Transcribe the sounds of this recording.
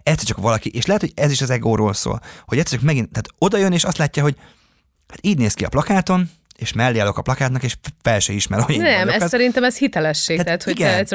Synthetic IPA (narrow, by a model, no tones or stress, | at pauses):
ɛt̪sɛɾt͡ʃɒkʋɒlɒkiʔeːʃlɛɦɛt̪hoɟɛziʃɒzɛɡoːɾoːlso̰ːlhoɟɛt̪sɛɾt͡ʃɒkmɛɡint̪aːt̪o̞d̪ɒjøneːʃɒst̪laːcːaɦoɟ | haːt̪iːɟneːskiɒ̰plɒkaːt̪o̞n | eːʃmɛlːeːɒlo̞kɒplɒkaːt̪nɒkeːʃfɛlʃøiʃmɛɾooenɛmɛksɛɾint̪ɛmɛshit̪ɛlɛʃːeːat̪aːt̪hoiɡɛɛ